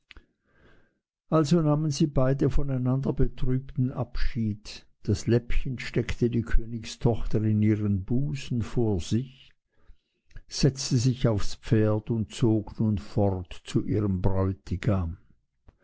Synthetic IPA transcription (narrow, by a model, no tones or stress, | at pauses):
ʔalzonaːmənziːbaɪdəfɔnaɪnandɐbətʁ̥yːptn̩ʔapʃiːt | d̥aslɛpçənʃtɛktədiːkʰøːnɪçstʰɔχtəɪniːʁənbuːsn̩foːɐzɪç | z̥ɛt͡stəzɪçaʊfspp͡feːɐdʊnt̚t͡soːɡnuːnfɔʁtt͡suʔḭːʁəmbʁɔʏtɪɡam